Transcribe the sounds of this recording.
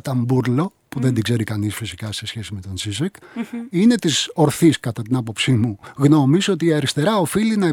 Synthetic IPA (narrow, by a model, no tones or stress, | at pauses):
t̪ɐmbuɾlo̞ | puðe̞nd̪iɡze̞ɾikɐnisfisikɐse̞sçe̞sime̞t̪o̞nsizɐkine̞t̪iso̞ɾθiskɐt̪ɐt̪inɐpo̞psimuɣno̞misot̪iːɐɾist̪e̞ɾɐofilinɐe